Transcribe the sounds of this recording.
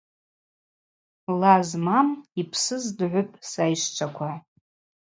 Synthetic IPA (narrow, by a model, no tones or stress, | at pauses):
lazmamipʰsɨzdʕʷʊpʼsajʂt͡ʃʷʰakʷʰa